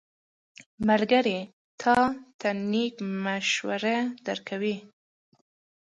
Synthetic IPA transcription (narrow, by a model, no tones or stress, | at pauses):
maɾɡaɾe | t̪ʰɑt̪anikmaʃwa̰ɾad̪̥aɾkʰawi